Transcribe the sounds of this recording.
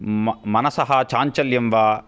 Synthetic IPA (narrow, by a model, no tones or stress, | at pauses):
mmɐnɐsɐɦɐt͡ʃaːɲt͡ʃɐljɐmʋɐ